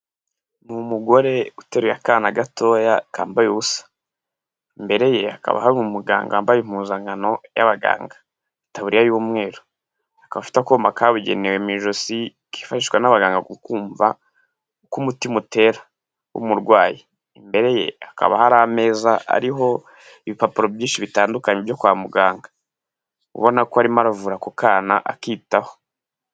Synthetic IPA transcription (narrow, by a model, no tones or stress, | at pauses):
numuɡo̞ɾe̞uteɾuja̰kanaɡatojakaːmbajuβusḁ | imbe̞ɾe̞je̞aka̰βa̰haɾumumuɡa̰ːŋɡaaːmbajim̥uːzaŋɡano̞ja̰βaɡa̰ːŋɡḁ | itaβuɾijajuːmŋe̞ːɾo | akaβafi̥takomakʰaβuɟe̞̰newemiʒosi | ki̥faʃiʃkwanaβaɡaːŋɡaɡukuːɱva̰ | kumutimute̞ɾa | wṵmuɾɡwaːji | imbe̞ɾe̞je̞̰aka̰βa̰haɾame̞ːzaa̰ɾiɦo̞ | iβipapuɾobjiːnʃiβitaːndukaɲebjo̞kwaːmuɡaːŋɡa | ṵβo̞nakoaɾimaɾavuːɾakukaːnaʔa̰kiːtaho̥